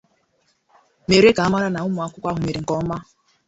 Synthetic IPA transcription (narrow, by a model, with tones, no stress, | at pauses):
me˨ɾe˦ka˨a˦ma˦ɾa˦na˨ʊ˦mʊ˨a˦kʷʊ˦kʷa˦ɦʊ˨me˨ɾe˨ŋ̩˨kɔ˦m̩˦ma˦